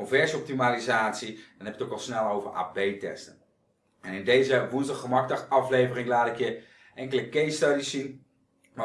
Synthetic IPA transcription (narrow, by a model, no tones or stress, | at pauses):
onvɛɹsɔp̚timalizaːtsid̥ɔnɦɛpjətokɔlˠsnɛlˠowvəɹa̰ːbejtɛ̰stən | ɛnɪndejzəʋunzdɑχəmɑk̚dɑχɑflejvərɪŋlaːtɪkjə | ɛŋkələkejstɑdisːin | ma